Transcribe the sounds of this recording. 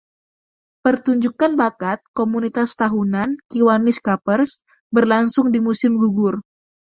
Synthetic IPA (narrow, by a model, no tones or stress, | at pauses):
pərt̪uɲd͡ʒukanbakat̪̚komunit̪ast̪aɦunankiwaniskapərs | bərlaŋsʊŋdimusɪmɡuɡʊr